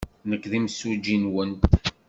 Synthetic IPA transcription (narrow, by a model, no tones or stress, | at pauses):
nəkːðimsud͡ʒinwənt̪